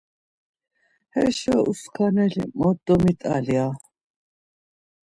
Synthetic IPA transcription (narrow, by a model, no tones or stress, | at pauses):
hɛʃɔuskʰanɛlḭmɔd̪ɔmit̪ʼalia